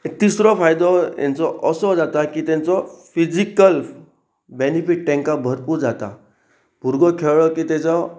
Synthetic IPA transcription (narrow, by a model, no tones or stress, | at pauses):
t̪isɾɔfajd̪ɔjã̰nt͡sɔʔəsɔd͡zat̪akit̪ɛ̃nt͡sɔfid͡zikəl | benifiʈ̚ʈɛ̃ŋkabʱəɾpuɾd͡zat̪a̰ | bʱuɾɡɔkʰeɭɭɔkit̪et͡ɕɔ